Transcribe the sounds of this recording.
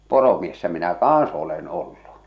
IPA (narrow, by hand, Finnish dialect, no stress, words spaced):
poromiesːæ minæ kɑːɑ̃s olen olːu